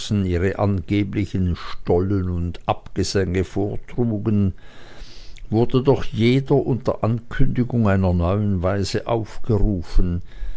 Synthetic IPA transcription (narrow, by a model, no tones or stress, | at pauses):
sn̩iːʁəʔanɡ̥eːplɪçənʃtɔlənʊndʔapɡ̥əzɛŋəfoːɐtʁ̥uːɡən | vʊɐdədɔχjeːdɐʔʊntɐʔankʰʏndɪɡʊŋaɪnɐnɔʏənvaɪzəʔa̰ʊfɡ̥əʁuːfən